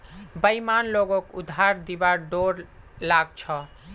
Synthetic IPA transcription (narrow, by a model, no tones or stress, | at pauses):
bəjmanloɡokṵd̪ʱaɾd̪ibaɾɖoɾ | laɡt͡ʃʰɔ